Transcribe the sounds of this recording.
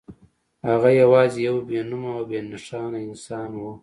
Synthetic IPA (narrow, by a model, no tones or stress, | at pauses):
haɣajawɑːzijawbenumaawbenaʂɑːnaɪnsɑːnwu